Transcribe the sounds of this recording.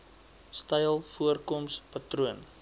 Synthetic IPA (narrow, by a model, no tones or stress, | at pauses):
stəjlˠfuərkɔmspɐtruən